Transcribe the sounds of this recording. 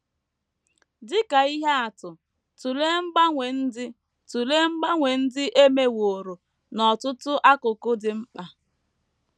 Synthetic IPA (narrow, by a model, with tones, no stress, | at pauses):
dɪ˦ka˨i˦ɦe˦a˨tʊ˨ | tu˨le˦ŋ͡m̩˦ɡ͡ba˦ŋʷe˨n̩˦dɪ˦ | tu˨le˦ŋ͡m̩˦ɡ͡ba˦ŋʷe˨n̩˦dɪ˦ʔe˦me˦wo˨ɾo˨ | nɔ˨tʊ˦tʊ˦ʔa˦kʊ˨kʊ˦dɪ˨ŋ͡m̩˦k͡pa˨